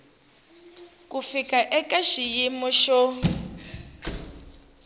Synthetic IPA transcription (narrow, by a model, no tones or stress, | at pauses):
kʼufikʼaʔɛkʼaʃijimɔʃɔ